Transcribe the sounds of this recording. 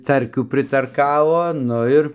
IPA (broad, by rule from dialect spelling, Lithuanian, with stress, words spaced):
ˈtɐrʲkʲuː pʲrʲɪtɐrˈkɑːʋoː ˈnʊ ɪr